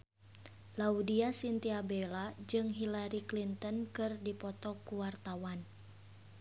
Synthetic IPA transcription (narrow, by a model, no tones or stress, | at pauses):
laudiasint̪iabelad͡ʒɨŋɦilaɾiklint̪ɔnkɨrdipɔt̪ɔkuwart̪awan